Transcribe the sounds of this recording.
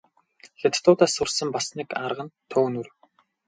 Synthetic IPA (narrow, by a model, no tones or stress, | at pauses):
xet̪ʰt̪ʊːt̪aːsʊrsə̆mpasniːkarʁə̆nt̪ʰoːnur